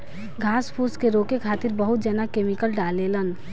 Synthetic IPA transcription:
ɡʱaːspʰuskeɾokekʰaːt̪iɾbəɦut̪̚d͡ʒənakemikəlɖalːelən

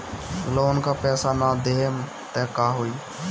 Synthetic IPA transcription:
loːnkaːpɛːsanaːd̪eːm | t̪ɛːkaːɦoːiː

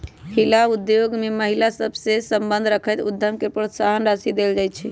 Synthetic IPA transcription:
hilaud̪joɡmeməɦilasəbʱsesəmbənd̪ʱɾəkʰəjt̪ṵd̪ʱːəmkepɾot̪saɦənɾəsid̪eld͡ʒaj̪t͡ʃʰɛ

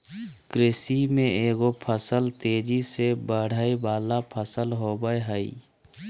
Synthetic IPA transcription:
kɾɪsimẽeːɡopʰəsəlt̪eːd͡ʒisebəɽ̤əibaːlapʰəsəlɦobəɦəi

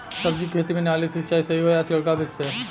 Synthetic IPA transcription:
sɐbd͡ʒikʰeːt̪imẽnaːlisɐt͡ʃaːisɐɦiɦoːjat͡ʃlɐɽkabɪseː

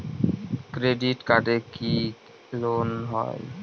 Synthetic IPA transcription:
kɾeɖiʈkaʈeki | lonɦɔ̰j

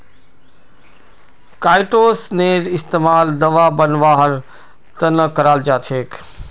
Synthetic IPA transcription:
kaːɪʈoːsneːɾɪst̪eːmaːld̪ɐʋabɐnʋaːɦɐɾ | t̪ɐnəkɐɾaːld͡ʒaːt͡ʃʰeːk

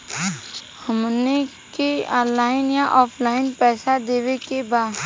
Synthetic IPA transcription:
həmne | keɔːnlaːɪnjaʔɔːpʰlaːɪnpɛːsad̪eːʋekebaːd̪

